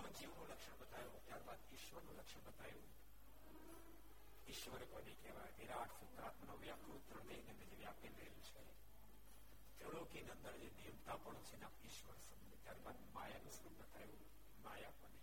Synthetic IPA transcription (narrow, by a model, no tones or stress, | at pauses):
amd͡ʒiʋnũləkʃəɳ̃bət̪ajõt̪jaɾbad̪ɪʃʋəɾnũləkʃəɳ̃bət̪ajũ | ɪʃʋəɾeponekɛʋajot̪eɾaːʈʰsut̪ːɾaːt̪mənoʋjakɾut̪ɾəɳd̪eɦineənd̪əd͡ʒeʋjaːpeləelũt͡ʃʰḛ | t̪eɭokinənd̪əɽd͡ʒenijəmt̪apəɳ̃õt͡ʃʰenapɪʃʋəɾsəmet̪jaɾbad̪majanũsut̪bət̪ʰajũ | majapəne